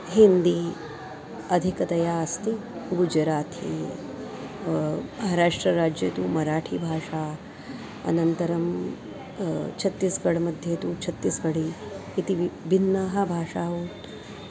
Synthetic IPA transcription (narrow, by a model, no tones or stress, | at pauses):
ɦind̪i | ɐd̪ʱikɐt̪ɐjaːɐst̪i | ɡud͡ʒɾaːt̪ʰḭ | mɐɦaɾaːʂʈɾɐɾaːd͡ʒjɐ̰t̪uːmɐɾaːʈʰibʱaːʂaː | ɐ̰nɐnt̪ɐɾɐm | t͡ʃʰɐt̪ːisɡɐɽmɐd̪ʱjet̪uːt͡ʃʰɐt̪ːisɡɐɽiːt̪ibinːaːɦɐbʱaːʂaːuːt̪